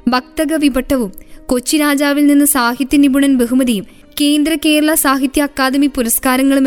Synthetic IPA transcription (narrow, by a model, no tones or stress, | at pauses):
bʱɐk̚t̪ɐɡɐʋibɐʈʰːɐʋumko̞t͡ɕːiɾaːd͡ʑaːʋilninːɨsaːɦit̪jɐnibuɳɐnbeɦumɐðijum | keːnd̪ɾɐke̞ːɾɐɭɐsaːɦit̪jɐːkːaːd̪ɐmipuɾɐskaːɾɐŋːɐɭum